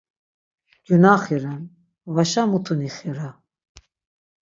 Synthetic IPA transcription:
junaχiɾan | vaʃamut̪ʰuniχiɾa

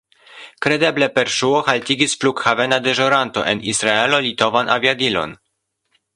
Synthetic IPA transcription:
kɾe̞de̞ble̞pe̞ɾʃuohaltiɡisplukxave̞nad̪e̞ʒoɾanto̞̰ʔe̞nisɾae̞lo̞lito̞vanʔa̰viadilo̞̰n

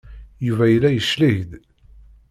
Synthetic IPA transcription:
juvæjəlːæjəʃlihd̪

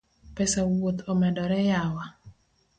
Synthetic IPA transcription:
pɛsawot̪ʰomɛdɔɾɛjawa

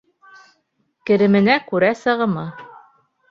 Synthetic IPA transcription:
kɘ̆ɾɘ̆mɘ̆nækʉɾæsɤ̆ʁɤ̆mɤ

